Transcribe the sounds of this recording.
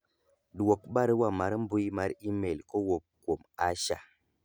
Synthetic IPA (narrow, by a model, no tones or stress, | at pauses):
ɗuwok̚ɓaɾəwamaɾm̩bujimaɾimelkowop̚komaʃa